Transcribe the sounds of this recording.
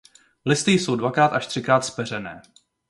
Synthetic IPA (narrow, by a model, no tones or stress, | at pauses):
lɪst̪ɪjsowdvakɾaːt̪aʃt̪r̥ɪkɾaːt̪spɛr̝ɛnɛ̰ː